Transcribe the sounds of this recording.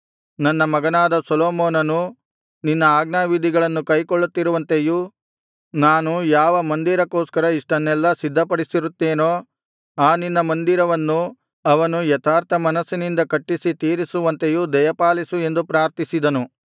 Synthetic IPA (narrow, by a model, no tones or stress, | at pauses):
nɐnːɐmɐɡɐnaːd̪ɐsɔloːmɔːnɐnu | ninːɐaːɡnaːʋid̪ʱiɡɐɭɐnːukɐjkoɭːut̪ːiɾuʋɐnt̪eju | naːnujaːʋɐmɐnd̪iɾɐkoːskɐɾɐiʂʈɐnːɛlːɐsid̪ʱːɐpɐɽisiɾut̪ːeːno̞ː | aːninːɐmɐnd̪iɾɐʋɐnːu | ɐʋɐnujɛt̪ʰaːɾt̪ʰɐmɐnɐsːinind̪ɐkɐʈːisit̪iːɾisuʋɐnt̪ejud̪ɐjɐpaːlisue̞nd̪upɾaːɾt̪isid̪ɐnu